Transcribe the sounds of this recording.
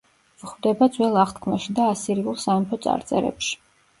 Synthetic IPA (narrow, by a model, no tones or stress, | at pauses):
vχwd̪ɛbad̪zwɛlˠaχt̪kʰmaʃid̪aːsiɾiulˠsamɔpʰɔt̪sʼa̰ɾt̪sʼɛ̰ɾɛ̰pʃi̥